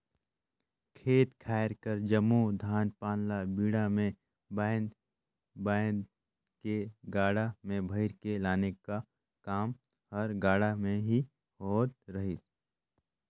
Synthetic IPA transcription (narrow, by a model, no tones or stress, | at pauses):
kʰeːt̪kʰaːɪɾkəɾd͡ʒəmːud̪ʱaːnpaːnlabiːɽamẽ | baːn | baːn | keɡaːɽamẽbʱəɪɾkelaːneka | kaːm | hɐɾɡaːɽamẽɦi | hoːt̪ɾɐɦis